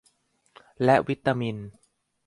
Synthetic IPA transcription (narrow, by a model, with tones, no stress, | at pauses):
lɛ˦˥ʔwi˦˥t̪ːaː˧mi˧n